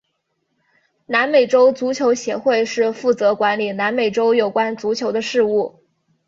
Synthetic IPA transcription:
na˧˥nme˨˩ɪʈ͡ʂo˥ʊt͡su˧˥t͡ɕʰjo˧˥ʊɕjɛ˧˥xwe˥˧ɪʂɻ̩˥˧fu˥˩t͡sɤ˧˥kwa˧˥nli˨˩na˧˥nme˨˩ɪʈ͡ʂo˥ʊjo˨˩ʊkwa˥nt͡su˧˥t͡ɕʰjo˧˥ʊd̪ə˧ʂɻ̩˥˧u˥˩

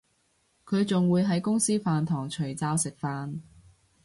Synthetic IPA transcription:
kʰɵ˨˧ɥt͡sʊ˨ŋwuː˨˧jɦɐ˨˥jkʊ˥ŋsiː˥faː˨nt̪ʰɔː˨˩ŋt͡ʃʰɵ˨˩ɥt͡saː˧wsɪ˨k̚faː˨˧n

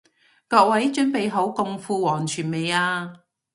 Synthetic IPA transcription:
kɔː˧k̚wɐ˨˥jt͡ʃɵ˥npe˨jɦo˨˥wkʊ˧ŋfuː˧wɔː˨˩ŋt͡ʃʰyː˨˩nme˨jaː˧

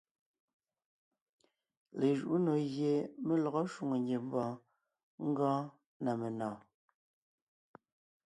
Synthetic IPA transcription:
le˨ʒu˨ʔu˦no˨ɣje˨me˦lɔ˨ɣɔ˦ʃu˨ŋo˨ŋɡe˨m̩˦bɔ̃ː˨ | ŋ̩˦ɡɔ̃ː˦ | na˨me˨nɔ̃ː˨

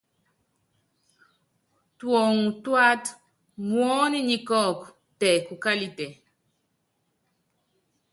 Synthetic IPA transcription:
twɔ˨ŋ˨twa˦t | mwɔ˦ni˦ɲi˨kɔ˦˨k | tɛ˨ku˨ka˦li˨tɛ˨

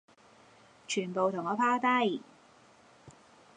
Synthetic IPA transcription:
t͡ʃʰyː˨˩npo˨wt̪ʰʊ˨˩ŋɔː˨˧˥pʰaː˥t̪ɐ˥˩j

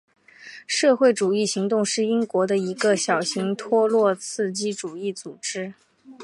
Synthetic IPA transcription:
ʂɤ˥˧xwe˥˩ɪʈ͡ʂu˨˩i˥˩ɕi˧˥ŋt̪ʊ˥˧ŋʂɻ̩˥˩i˥ŋkwɔ˧˥d̪ə˧i˧˥ɡə˧ɕjɑ˨˩ʊɕi˧˥ŋt̪ʰwɔ˥lwɔ˥˧t͡sʰɹ̩˥˧t͡ɕi˥˩ʈ͡ʂu˨˩i˥˩t͡su˨˩ʈ͡ʂɻ̩˥

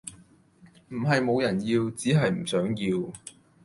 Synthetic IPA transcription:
m̩˨˩ɦɐ˨jmo˨˧wjɐ˨˩njiː˧wt͡siː˨˥ɦɐ˨jm̩˨˩sœː˨˥ŋjiː˧w

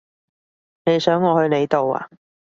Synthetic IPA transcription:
ne˨˧jsœː˨˥ŋːɔː˨˧hɵ˧ɥne˨˧jt̪o˨wa̰ː˨

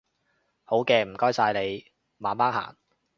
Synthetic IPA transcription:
ho˨˥wkɛː˧m̩˨˩kɔː˥jsaː˧jle˨˧j | maː˨˧˥maː˥ŋha̰ː˨˩ŋ

